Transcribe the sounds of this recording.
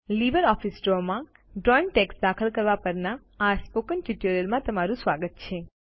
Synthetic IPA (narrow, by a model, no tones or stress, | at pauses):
liʋəɾɔfisʈɾomã | ɖɾɔinʈeksd̪akʰəlkəɾʋapəɾnaː | spokənʈiʈoɾiəlmãt̪əmaɾũsʋaɡət̪̚t͡ʃʰe